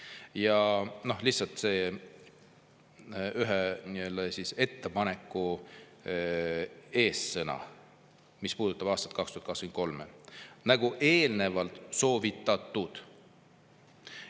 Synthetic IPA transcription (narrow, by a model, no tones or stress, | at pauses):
jɑno̞hlihtsɑlt̪se̞ː | yɦeniøld̪̥ɑsise̞t̪ːe̞pɑne̞kːˑu | e̞ːsːɤnɑ̰ | mispuːd̪̥ut̪ːɑb̥ɑːst̪ɑ̥t̪kɑkst̪uhɑt̪kɑskmnko̞lmenæɡ̥uʔe̞ːlne̞vɑlt̪so̞ːvit̪ːˑɑt̪ːud̪̥